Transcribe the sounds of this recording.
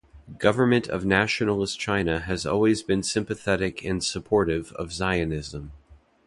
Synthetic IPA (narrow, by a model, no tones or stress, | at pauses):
ɡ̥ʌvə˞mɨ̃ntʰʌ̰vnæʃnl̩ˠəst͡ʃʰãɪ̃nɨɨzɔ̰lˠwizbɨ̃nsɪ̃mpɨθɛɾɨkʰɨ̃nsəpʰɔɹɾɪvʌ̰vzaɪɨnɪzə̃m